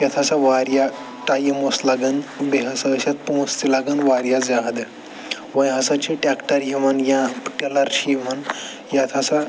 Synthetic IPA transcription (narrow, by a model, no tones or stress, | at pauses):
jat̪ʰasaʋaɾja | ʈajemoslaɡənbeɦasaɕat̪̚põst̪ilaɡənʋaɾjad͡zaɦd̪ə | ʋə̃jɦasat͡ɕʰiʈakʈəɾjiʋanjãʈelaɾɕiiman | jat̪ʰasa